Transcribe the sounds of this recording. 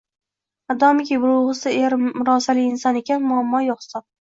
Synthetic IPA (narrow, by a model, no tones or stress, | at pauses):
ad̪ɒmɪkʲibʊɾʊʁɨsɪeɾʊɾɒsalɪɪnsɒne̞kʲʰanmʊamːɒjoχsɒ